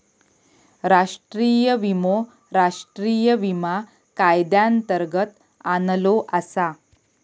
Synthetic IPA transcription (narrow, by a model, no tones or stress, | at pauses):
ɾaʂʈɾiːjəʋimo | ɾaʂʈɾiːjəʋima | kajd̪jant̪əɾɡət̪ | anəloʔasa